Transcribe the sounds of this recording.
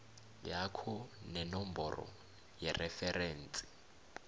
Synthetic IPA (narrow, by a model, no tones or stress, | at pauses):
jakʰɔnɛnɔm̩bɔrɔ̰ | jɛrɛfɛrɛːn̩t͡sʼi̥